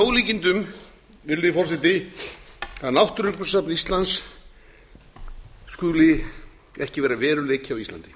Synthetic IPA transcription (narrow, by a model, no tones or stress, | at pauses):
oːwliːcɪnt̪ʏm | vɪɾlɪfɔrsɛt̪ɪ | θaðnawht̪ʏɾʏk̪ʏsapnist̪lans | kʏːɣlɪ | ɛhcɪvɛːɾavɛːɾʏleːjcʰawist̪a̰nt̪ɪ̥